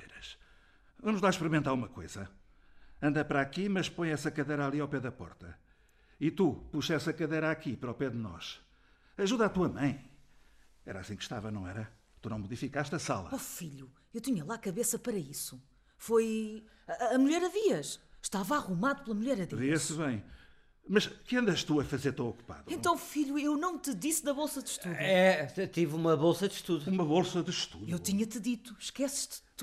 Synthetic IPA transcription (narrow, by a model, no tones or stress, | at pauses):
eɾɐʃ | enuʒd̪aʃpɨɾimẽnt̪aɾumɐko̰jz̥ɐ | ɐ̃nd̪ɐpɾakimɐʃpõj̃ɛsɐkɐðejɾalˠiawpɛðɐpɔ̰ɾt̪ɐ̰ | it̪upuʃɛsɐkɐðejɾakipɾɔpɛðɨnɔ̰ʃ | ɐʒuðat̪uɐmɐ̃j̃ | ɛɾa̰sĩkʃt̪a̰vɐnɐ̃w̃ɛɾɐ | t̪unɐ̃w̃muðifikaʃt̪ɐsa̰lˠɐ̰ofiʎu | ewt̪iɲɐlˠakɐβesɐpɐɾɐisu̥ | fojː | muʎɛɾɐðiɐʃʃt̪avɐaʁumaðuplˠɐmuʎɛɾɐðiviɐʃsβɐ̃j̃ | mɐʃkɨɐ̃nd̪ɐʃt̪uɐfɐzeɾt̪õw̃ɔku̥pa̰ðẽnt̪ɐ̃w̃fiʎuewnɐ̃w̃t̪ɨðisðɐβolˠsɐðʃt̪uðuɛt̪ivumɐβolˠsɐðʃt̪uðuumɐβolˠsɐðɨʃt̪uðewt̪iɲɐt̪ɨðit̪u̥ʃkɛsʃt̪